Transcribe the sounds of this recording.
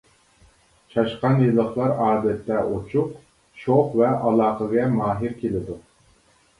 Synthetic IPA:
t͡ʃʰɑʃqɑnjɨlˠəχlˠɑɾɑːd̪ɛt̪ʰːɛot͡ʃʰuq | ʃoχvɛɑlˠɑːqəɡʲɛmɑːɦiɾkʲelɪd̪u

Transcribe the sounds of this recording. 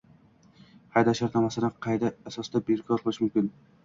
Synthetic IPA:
hɑjd̪ɑʃɑɾnɑmɑsɨnɨqʰɑjd̪ɛːsɑsd̪ɛbeɾkʰʲɑɾqʰəlˠɨʃmymkʲin

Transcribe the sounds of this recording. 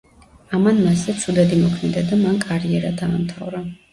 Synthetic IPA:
amanmaszɛt̪sʰud̪ɛd̪imɔkʰmɛnd̪ad̪amankʼaɾiɛɾad̪aːmt̪ʰa̰vɾa

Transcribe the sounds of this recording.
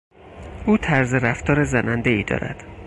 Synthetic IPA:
ʔuːt̪ʰæɾzeɾæft̪ɒːɾezænænd̪eiːd̪ɒ̰ːɾæ̰d̪̥

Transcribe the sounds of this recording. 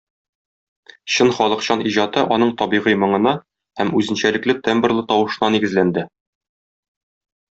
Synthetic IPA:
ɕɤnχɒlˠɤ̆qɕɑniʑɑt̪ɤʔɒnɤɴt̪ɒbiʁijmɤ̆ɴɤ̆nɑ | hæmʉzɘ̆nɕælɘ̆klɘt̪embɘ̆rlˠɤt̪ɒwɤ̆ʃɤ̆nɑniɡɘ̆zlænd̪ɘ

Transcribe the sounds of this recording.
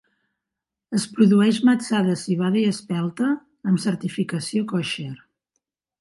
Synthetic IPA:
əspɾuðuɛʃməsaðəsiβ̞aðəiəspɛlˠt̪əː | msəɾt̪ifikəsiokɔʃer

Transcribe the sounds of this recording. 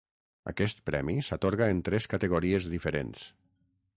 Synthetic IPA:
a̰kɛst̪̚pɾɛmisat̪oɾɣaent̪ɾɛskat̪eɣ̞oɾiezðifeɾḛns

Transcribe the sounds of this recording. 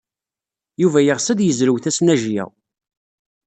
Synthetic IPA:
juvæjəʁsæd̪jəzɾəwθæsnæʒjæ̰w

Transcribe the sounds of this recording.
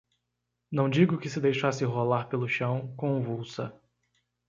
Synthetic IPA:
nɐ̃w̃d͡ʒiɡʊkɪsɪd̪ejʃasɪɦolaɾpelʊʃɐ̃w̃kõũvuwsɐ

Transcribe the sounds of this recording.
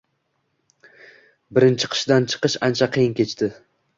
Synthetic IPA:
bɪɾɪnt͡ʃʰɪ̥qʰɨ̥ʃd̪ant͡ʃʰɨ̥qɨʃant͡ʃʰaqʰɨjɪnkʲʰe̞t͡ʃt̪ʰɪ

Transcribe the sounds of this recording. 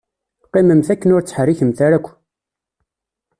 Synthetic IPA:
qːiməmθækːənʊɾt͡sːħriçəmθæɾækʷː

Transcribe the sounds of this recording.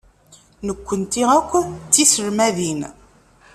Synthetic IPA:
nəkʷːənt̪iækʷːt͡sːisəɾmæðin

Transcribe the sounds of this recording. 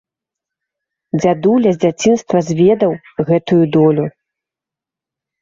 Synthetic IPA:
d͡zʲad̪ulʲɐzʲd͡zʲat͡sʲinst̪vɐzʲvʲɛd̪ɐw | ɣɛt̪ujud̪ɔlʲu

